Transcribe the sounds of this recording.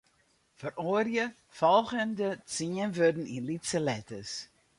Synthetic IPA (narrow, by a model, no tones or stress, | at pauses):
fərorjə | fɔlˠχəndət͡siənvødn̩inlitsəlɛtəs